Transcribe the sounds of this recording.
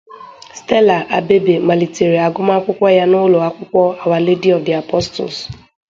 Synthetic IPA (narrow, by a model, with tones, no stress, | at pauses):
ste˦la˨ʔa̰˨be˦be˨ma˨li˨tʰe˨ɾi˨a˨ɡʊ˦ma˦kʷʊ˦kʷɔ˦ja˦nʊ˦lɔ˨a˦kʷʊ˦kʷɔ˦a˨wa˨le˦di˦ɔ˨vdi˨a˨pɔ˦stʊ̰˨s